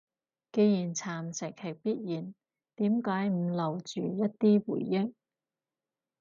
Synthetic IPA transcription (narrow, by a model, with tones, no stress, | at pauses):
ke˧jjiː˨˩nt͡sʰaː˨˩msɪ˨˩k̚hɪ˨˩k̚piː˥t̚jiː˨˩n | t̪iː˨˥mkaː˨˥jm̩˧lɐ˨˩wt͡ʃyː˨˩jɐ˥t̚t̪iː˥wṵː˨˩jːɪ˥k̚